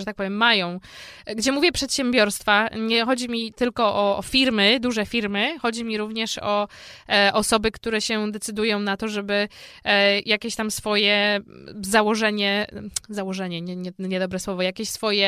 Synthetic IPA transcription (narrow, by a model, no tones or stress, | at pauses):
ɛt̪ak̚pɔvʲjɛmːajɔ̃w̃ɡd͡ʑɛmuvʲjɛpʂɛt̪ɕɛmbʲjɔɾst̪faɲɛxɔd͡ʑimʲit̪ɘlkɔʔɔːfʲiɾmɘd̪uʐɛfʲiɾmɘxɔd͡ʑimʲiɾuvɲɛʂɔ | ʔɔsɔbɘkt̪uɾɛɕɛd̪ɛt̪sɘd̪ujɔ̃w̃nat̪ɔʐɛbɘ | jakʲeɕt̪amsfɔjɛ | zawɔʐɛɲɛzawɔʐɛɲɛɲɛɲɛɲɛd̪ɔbɾɛswɔvɔjakʲeɕsfɔjɛ